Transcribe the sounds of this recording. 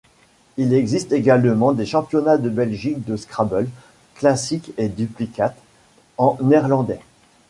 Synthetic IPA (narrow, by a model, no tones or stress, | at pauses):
ilɛɡzist̪eɡalmɑ̃d̪eʃɑ̃pjɔnad̪əbɛlʒik̚d̪əskχabɔl | klasiked̪yplikat̪ | ɑ̃nɛʁlɑ̃d̪ɛ